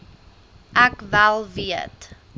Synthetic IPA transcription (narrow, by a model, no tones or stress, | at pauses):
ʔækvælˠviət